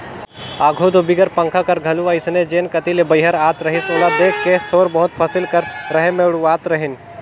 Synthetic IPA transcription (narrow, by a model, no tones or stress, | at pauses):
aːɡʱuːd̪ʱobɪɡəɾpɐ̃ŋkʰakɐɾɡʱɐluʋaɪsned͡ʒeːnkɐt̪ilebəɪɦəɾaːt̪ɾɐɦɪsʊnad̪eːkʰkeːst̪ʰoːɾbɐɦʊt̪̚pʰɐsɪlkəɾɾɐɦemeɽuaːt̪ɾɐɦɪn